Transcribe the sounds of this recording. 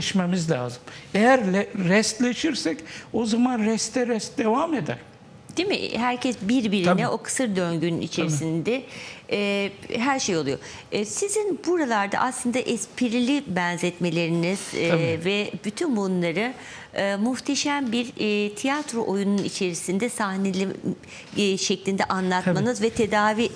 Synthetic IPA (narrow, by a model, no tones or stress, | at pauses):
ʃmemizlʲaːzɯmejæɾlɛɾɛst̪lʲeʃiɾsɛcozamanɾɛst̪ʰɛɾɛst̪d̪e̞vamed̪æ̰ɾ̥ | d̪̥emḭɦæɾcʰɛsbiɾbiɾinɛʔo̞kʰɯ̥sɯɾd̪ønɟynḭt͡ʃʰeɾisind̪ɛ | ɦæɾʃejo̞lˠujo̰ | sizinbuɾalˠaɾd̪a̰ʔaslˠɯnd̪aʔɛspʰiɾilʲibɛnzɛt̪me̞lʲe̞ɾiniz̥vɛbyt̪ʰynbunlˠaɾɯ | ɯːmuht̪ʰeʃæmbiɾt̪ʰijat̪ɾoʔojununit͡ʃʰe̞ɾisind̪ɛsahnelʲi | ʃɛclʲind̪ɛʔanlˠat̪manɯzvɛt̪ʰe̞d̪aːvi